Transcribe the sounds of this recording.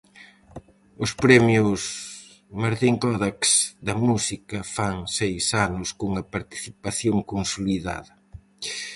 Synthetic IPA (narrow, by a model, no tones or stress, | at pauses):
ʊspɾɛmjʊs | maɾðiŋkɔðaksd̪ɐmusikɐfaŋsejsanʊskuŋɐpaɾt̪i̥θipaθjoŋkonsoliða̰ðɐ